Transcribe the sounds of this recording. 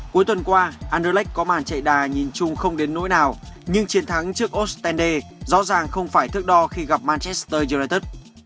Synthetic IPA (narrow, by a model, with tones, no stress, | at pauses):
ku˨˦jt̪wə˨˩nkwaː˧ʔaː˧nɗəː˧lɛ˦˥k̚kɔ˨˦maː˨˩nt͡ɕə̰˧˨jɗaː˨˩ɲi˨˩nt͡ɕʊ˧ŋ͡mxə˧wŋ͡mɗe˨˦nːo̰˧˥jnaː˨˩wɲɨ˧ŋt͡ɕi˨˦ənt̪ʰa˨˦ŋt͡ɕɨ˦˥ək̚ʔo˦˥t̚st̪ɛ˧nɗe˧zɔ̰˧˥zaː˨˩ŋxə˧wŋ͡mfaː˧˩jt̪ʰɨ˦˥ək̚ɗɔ˧xi˧ɣa˨˩p̚maː˧nt͡ɕɛ˦˥st̪əː˧zu˧naː˧t̪ə˦˥t̚